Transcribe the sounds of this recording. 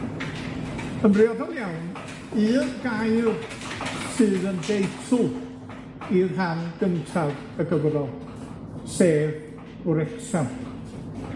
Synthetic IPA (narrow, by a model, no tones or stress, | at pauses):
ənbrɪɔðɔlˠjawn | ɨːnɡajl | sɨːðəndejtʰʊ | irɦanɡ̥əntʰav | əɡəvəvɔlˠ | seːv | ʊɾɛksam